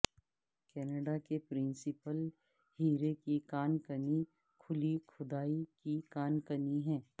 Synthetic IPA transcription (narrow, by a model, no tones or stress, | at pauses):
kɛːnəɖakepɾɪ̃nsɪpəl | hiːɾekikaːnkəni | kʰʊlikʰʊd̪aːikikaːnkəniɦɛ̃ː